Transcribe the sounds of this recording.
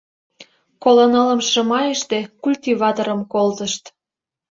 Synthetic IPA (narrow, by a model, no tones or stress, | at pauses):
kolonələ̆mʃə̆mɑjəʃt̪ekulʲt̪ʲivɑt̪oɾə̆mkolt̪əʃt̪